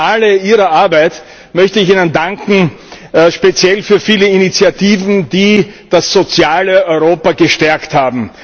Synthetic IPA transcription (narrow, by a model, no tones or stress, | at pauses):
ʔaləiːʁɐʔaɐbæɪt | mœçtəɪçiːnəndaŋkŋ̩ | ʃpet͡sjɛlfyːɐfiːləinit͡sjatiːvn̩diːd̥asz̥ot͡sjaːləɔʏʁoːpɐɡəʃtɛɐkthaːbm̩